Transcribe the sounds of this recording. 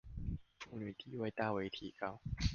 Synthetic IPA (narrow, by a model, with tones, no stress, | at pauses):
u˧˩ni˨˧˩t̪ʰiː˥˩wa˧˥jt̪aː˧˩weː˨˧˥t̪ʰiː˨˦ka˧˩w